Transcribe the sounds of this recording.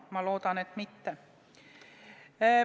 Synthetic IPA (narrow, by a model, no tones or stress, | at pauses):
mɑlo̞ːd̪̥ɑnet̪mit̪ːe